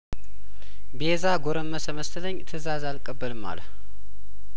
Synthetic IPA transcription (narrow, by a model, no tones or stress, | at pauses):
bezaɡoɾəmːəsəməst̪ʰɨləɲːt̪ʰɨzazalkʼəbːəlɨma̰l